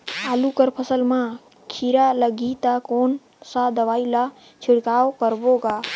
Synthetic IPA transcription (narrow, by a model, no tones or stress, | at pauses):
alukəɾpʰəsəlma | kʰiɾaləɡit̪akon | sad̪əʋaːila | t͡ʃʰiɽkawkəɾboɡa